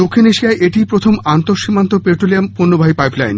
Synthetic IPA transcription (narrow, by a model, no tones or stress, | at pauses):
d̪okʰːineʃiaeʔeʈipɾot̪ʰomant̪oɾʃimːant̪opeʈɾoliampoɾnːobʱaɦipajpla̰jn